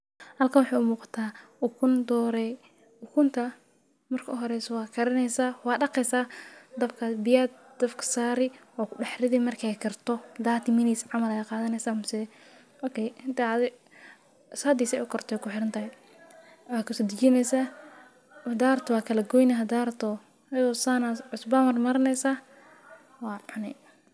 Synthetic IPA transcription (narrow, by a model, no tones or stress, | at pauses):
hɐlkʰɐnwʊħɑjʊmuːqɑ̥t̪ʰaːʊkʰʊnd̪ɔːɾɛ | ʊkʰʊnt̪ʰɐ | mɐrkʰɐʔʊɦɔɾɛsɔwɑːkʰɐɾɐnɛjsaːwɑːɖɑqɛjsaːd̪ɐbkʰɐbɪjad̪d̪̥ɐfkʰɐ̥saːɾɪ | ɔːkɖɑħrɪðɪmɐrkʰɛjkʰɐrt̪ʰɔdaːt̪ʰɪmɪniːsʕɑmɐlɛjqɑːðɐnɛjsaːmʊsɪðɛ | ɔkʰɛjhɪnt̪aðɪ | saːd̪iːsɛ̰ʔʊkʰɔrt̪ʰɛːkʰʊħɪɾɐnt̪ɐɦɛ | wɑːkʰɐsɔd̪ɪt͡ʃɪnɛjsaː | ɐd̪aːrt̪ʰwɑːkʰɐlɐɡɔjnɐɦɐd̪aːrt̪ʰɔ | ɐɔsanaʕʊsbɐmɐrmɐɾɐnɛjsaː | wɑːʕʊnɛ